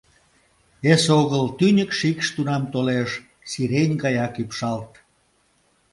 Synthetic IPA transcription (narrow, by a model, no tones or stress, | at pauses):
esoɣəlt̪ynʲəkʃikʃt̪unɑmt̪oleʃ | siɾenʲkɑjɑkypʃɑlt̪